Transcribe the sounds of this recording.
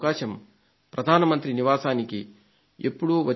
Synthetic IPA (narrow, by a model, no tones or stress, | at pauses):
kaːʃɐm | pɾɐd̪ʱaːnɐmɐnt̪ɾiniʋaːsaːniki | epːuɽuʋɐ